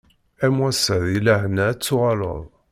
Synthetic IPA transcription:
æmwæsæðilaʕnæt͡sːʊʁɑlə̰ðˤ

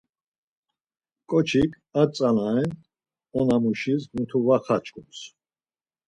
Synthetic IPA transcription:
kʼɔt͡ʃʰikʰʼat͡sʼanaɛn | ɔnamuʃismut̪ʰuvaχat͡ʃʼkʼums

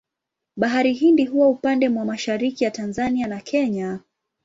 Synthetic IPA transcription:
ɓaɦaɾiɦindiɦuwaupandɛmwamaʃaɾikijatanzanianakʰɛɲa

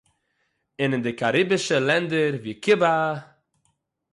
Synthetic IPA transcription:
ɪnɪndɪkaɾibɪʃəlˠɛndəɾviːkɪba

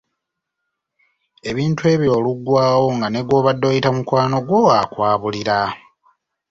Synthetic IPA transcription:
e̞βiːntwe̞ːβjo̞ːluɡːwaːwo̞ŋɡane̞ɡwo̞ːβadːo̞jitamukwaːno̞ɡwo̞akwaːβuliɾa

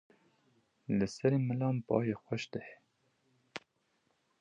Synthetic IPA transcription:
lɨsɛɾeːmɨlɑːmpɑ̰ːjeːxʷɛʃd̪ɨhɛ

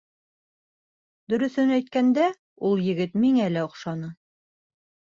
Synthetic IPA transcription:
d̪ɵ̆ɾɵ̆θɵnæjt̪̚kænd̪æ | ulˠjɘ̆ɡɘt̪miŋælæŏqʃɑnɤ

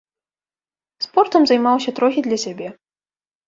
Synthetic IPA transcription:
spɔrt̪ɐmzɐjmawsʲɐt̪ɾɔxʲid̪lʲɐsʲabʲɛ

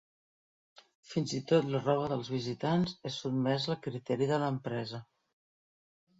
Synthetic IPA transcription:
finzit̪ot̪lərɔβ̞əðəlˠzβ̞izit̪anzɛsud̪̚mɛzəlˠkɾit̪ɛɾiðələmpɾɛzə

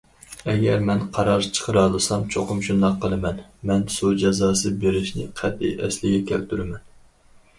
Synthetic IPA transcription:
ɛɡʲɛɾmɛnqʰɑɾɑɾt͡ʃʰə̥qʰəɾɑːlˠɨsɑmt͡ʃʰoqʊmʃund̪ɑqʰːəlˠɨmɛnmɛnsud͡ʒɑzɑːsɨbeɾɪʃnɪ̰qʰæd̪ːɪ̰ɛ̰slɪɡʲɛkʲʰæ̰lt̪ʰyɾɪmɛn

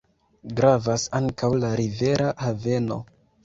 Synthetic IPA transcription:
ɡɾavasaŋkawlaɾive̞ɾahave̞no̞̰

